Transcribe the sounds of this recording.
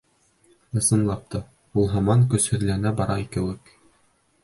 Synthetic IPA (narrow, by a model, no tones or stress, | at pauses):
ɤ̆sɤ̆nlˠɑp̚t̪ʰɤ | ulˠɦɑmɑŋkɵ̆shɵ̆ɾlænæbɑɾɑikɘ̆wɘk